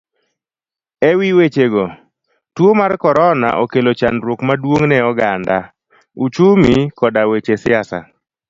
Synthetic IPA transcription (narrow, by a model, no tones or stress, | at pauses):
ɛwiwet͡ʃeɡɔ | twomarkɔɾɔna̰ʔokelot͡ʃanɾokmadwoŋnɛɔɡanda | ut͡ʃumikɔdawet͡ʃesɪasa̰